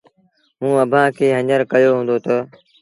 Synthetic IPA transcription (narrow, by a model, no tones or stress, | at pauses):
ɦũːəbʱãːkʰeːɦəɲəɾkəjoːɦũːnd̪oːt̪ə